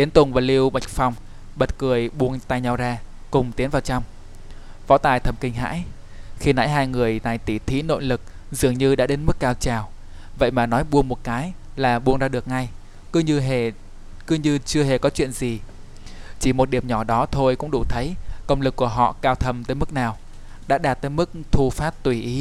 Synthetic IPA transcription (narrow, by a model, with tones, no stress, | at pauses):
ɗ̪i˨˦ənt̪ʊ˨˩ŋvaː˨˩li˧əwɓa˨˩jk̟̚fa˨˧˩wŋ͡m | ɓə˨˩t̚kɨ˨˩əjɓu˧˩əŋt̪aː˧˨jɲa˧˩wzaː˧ | kʊ˨˩ŋ͡mt̪i˨˦nvaː˨˩wt͡ɕa˧wŋ͡m | vɔ̰˧˥t̪aː˨˩jt̪ʰə˨˩mkï˧˩ŋ̟ɦa̰ː˧˥j | xi˧na̰ː˧˥jɦaː˧jŋɨ˨˩əjna˨˩jt̪i˧˩t̪ʰi˨˦no̰˧˨jlɨ˨˩k̚ | zɨ˨˩əŋɲɨ˧ɗa̰ː˧˥ɗe˨˦nmɨ˦˥k̚ːaː˧wt͡ɕaː˨˩w | və̰˧˨jmaː˨˩nɔ˨˦jɓu˧əŋmo˨˩t̚kaː˨˦j | laː˨˩ɓu˧əŋzaː˧ɗək̚ŋa˧j | kɨ˨˧˦ɲɨ˧ɦe˨˩ | kɨ˨˧˦ɲɨ˧t͡ɕɨ˧əɦe˨˩kɔ˨˦t͡ɕwḭ˧˨ənzi˨˩ | t͡ɕi˧˩mo˨˩t̚ɗi˧˩əmɲɔ˧˩ɗɔ˨˦t̪ʰo˧jkʊ̰˧˥ŋ͡mɗu˧˩t̪ʰə˨˦jkə˧wŋ͡mlɨ˨˩kːu˧˩əɦɔ̰˧˨kaː˧wt̪ʰə˧mt̪əː˨˦jmɨ˦˥k̚naː˨˩w | ɗa̰ː˧˥ɗaː˨˩t̚t̪əː˨˦jmɨ˦˥k̚t̪ʰu˧faː˦˥t̚t̪wi˧˩ʔi˨˦